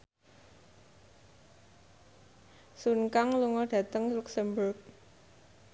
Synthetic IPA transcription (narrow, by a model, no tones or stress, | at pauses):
sunkaŋluŋɔɖ̥ä̤t̪əŋluksɛmbʊrk̚